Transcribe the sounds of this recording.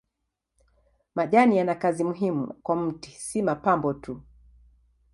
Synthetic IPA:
maʄanijanakazimuɦimṵkwam̩tisimapambɔtu

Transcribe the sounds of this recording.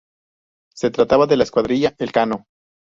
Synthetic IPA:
se̞t̪ɾat̪aβaðe̞laeskwaðɾiʝaelkano̞

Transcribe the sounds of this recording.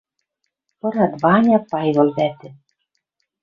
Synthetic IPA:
pɤ̆ɾɑd̪βɑnʲɑpɑjβɤ̆lβæt̪ɘ̆

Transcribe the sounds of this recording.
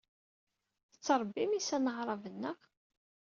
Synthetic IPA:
θət͡sːɑɾˤbːimisænəʁɾˤɑvənːəʁ

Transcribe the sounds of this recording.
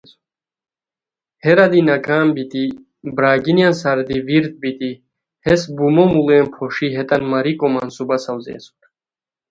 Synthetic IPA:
hɛɾad̪inaɡʰaːmbit̪ʼi | bɾaːɡinjansaɾd̪iviɾt̪̚bit̪ʼi | hɛsbumɔmulɛːmpʰɔʃiɦɛt̪ʼanmaɾikʼɔmansubasawzɛ̰ːsu̥ɾ

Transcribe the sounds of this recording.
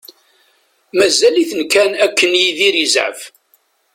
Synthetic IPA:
mæzæliθənkænækːənjiðiɾəzʕə̰f

